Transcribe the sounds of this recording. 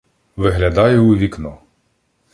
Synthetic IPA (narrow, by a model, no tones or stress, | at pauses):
ʋɪɦlʲɐd̪ɑjʊːʋʲiknɔ